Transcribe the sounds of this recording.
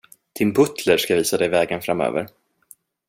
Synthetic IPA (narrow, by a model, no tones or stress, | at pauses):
d̪̥ɪnbɵt̪ləʂkaviːsad̪ɛjvɛːɡənfɾamø̰ːvə̰ɾ